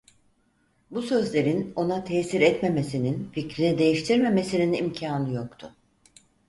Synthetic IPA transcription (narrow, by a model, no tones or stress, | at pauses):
busø̞zlʲe̞ɾino̞nat̪ʰɛːsiɾɛt̪me̞me̞sininficɾinid̪e̞jiʃt̪ʰiɾme̞me̞sininimcʰaːnɯjo̞kt̪ʰʊ